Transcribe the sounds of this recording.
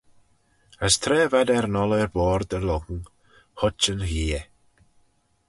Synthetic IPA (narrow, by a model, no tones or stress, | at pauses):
əstʰrɛːvadɛrnɔlˠɛrbɔːrdəlˠɔɡŋ̩ | hɔt͡ʃənhiːɛ